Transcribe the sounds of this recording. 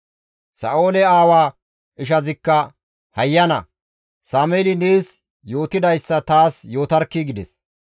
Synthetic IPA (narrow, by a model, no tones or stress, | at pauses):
sɐ̰ʔo̞ːlɛaːwaː | ɪʃ̬ɐzɪkːɐ | hɐjːɐnɐ̰ | saːmeːlɪneːs | jo̞ːt̪ɪd̪ɐjsːɐt̪aːsjo̞ːt̪ɐɾkːiɡɪd̪ɛs